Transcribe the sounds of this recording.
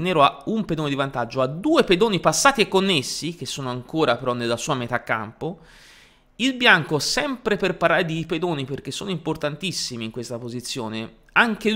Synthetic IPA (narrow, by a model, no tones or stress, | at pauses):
nɛːɾoaumped̪oːned̪ivant̪ad͡ʒːoad̪uːeped̪oːnipasːaːt̪iɛkːonːesːik̟esːoːnoaŋkoːɾapeɾɔnːelːasuːamɛːt̪aːkːa̰mpo | ilbjaŋkosɛmpɾeperpaɾaɾed̪iped̪oːniperk̟esːoːnoimport̪ant̪isːimiːŋkwest̪apozit̪sːjoːne | aŋk̟e